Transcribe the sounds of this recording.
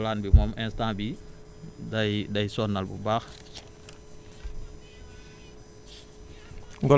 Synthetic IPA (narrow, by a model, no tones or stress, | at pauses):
lanbimɔmʔɛnstãːbi | dajdajsɔnːalbṵbaːx | ŋɡɔ